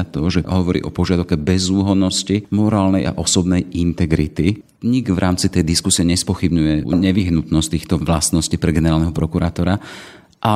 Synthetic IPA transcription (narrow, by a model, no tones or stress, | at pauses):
t̪ɔʒɛɦɔʋɔɾḭːʔɔ̰pɔʒɪad̪aʊkɛbɛzuːɦɔnɔscimɔɾaːlnɛjʔa̰ʔɔsɔbnɛjint̪ɛɡɾit̪i | ɲiɡʋɾʔaːmt͡sit̪ɛjd̪iskusiɪɛɲɛspɔxibɲujɛɲɛʋiɦnut̪nɔsct̪iːxt̪ɔʋlast̪nɔscipɾɛɡɛnɛɾaːlnɛɦɔpɾɔkuɾaːt̪ɔɾa | ʔa